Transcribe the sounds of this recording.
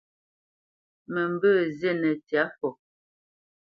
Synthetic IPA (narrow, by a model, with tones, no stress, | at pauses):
mə˨m˦bə˦˨zɛ˦˨nɛ˨tja˨˦fɔ˨